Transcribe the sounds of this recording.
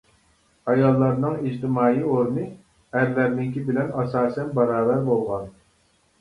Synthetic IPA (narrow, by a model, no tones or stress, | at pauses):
ɑjɑlˠːɑɾnɨŋid͡ʒt̪ɪmɑːioɾnɨ | æɾlæɾnɪŋkʲibɪlɛnɑsɑːsɛnbɑɾɑːbæɾbolˠʁɑn